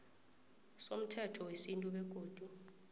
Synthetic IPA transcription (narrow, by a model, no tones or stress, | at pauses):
som̩tʰɛtʰɔwesintʼuɓɛk̬ʼoːd̥ʼʱu